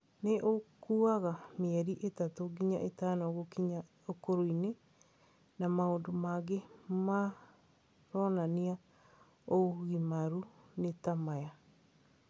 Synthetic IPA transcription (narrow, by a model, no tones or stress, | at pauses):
neʔokuaɣameɛɾiʔetatoɡiɲaʔetanɔɣokiɲa | okoɾoine | namaoːndomaɡema | ɾɔnania | oɣimaɾunetamaja